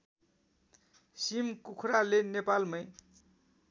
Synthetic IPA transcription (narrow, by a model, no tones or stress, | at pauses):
simkukʰɾalenepalmʌj